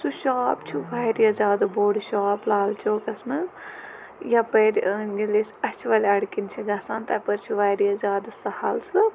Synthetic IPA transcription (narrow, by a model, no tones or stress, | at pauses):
suʃaːpt͡ʃʰuʋaːjɾiɐzʲaːd̪ɨboːɽʃaːplaːlt͡ʃʰoːkɐsmɨ | japɐɾʲɡilesʲɐt͡ʃʰiʋɐlʲɐɽkint͡ʃʰiɡaːsaːnt̪ɐpɐɾʲt͡ʃʰuʋaːjɾiɐzʲaːd̪sɐhɐlsɨ